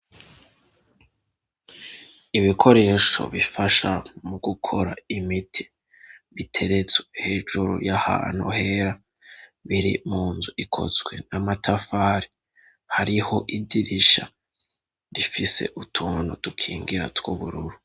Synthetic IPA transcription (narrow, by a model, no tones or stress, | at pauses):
iβikʰo̞ɾe̞ːʃo̞̰βifaʃamuɡukʰo̞̰ɾa̰imitʰi̥ | βitʰe̞ɾe̞t͡sweheːʒuɾṵjaha̰ːn̥hṵhe̞ːɾa | βiɾḭmuːnzuʔikʰo̞̰zwe̞̰namatʰafaːɾi | haɾiho̞ʔidiɾiʃa | ɾifise̞̰ʔutʰuːnudukʰiːŋɡiɾa̰twuβuɾuɾu